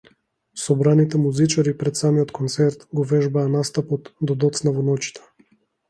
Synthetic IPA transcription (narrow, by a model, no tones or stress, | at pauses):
sɔbɾanit̪ɛmuzit͡ʃaɾipɾɛt̪samiɔt̪kʰɔnt̪sɛɾt̪ɡɔvɛʒbaːnast̪apɔt̪d̪ɔd̪ɔt̪snavɔnɔt͡ʃi̥t̪ʰɛ̥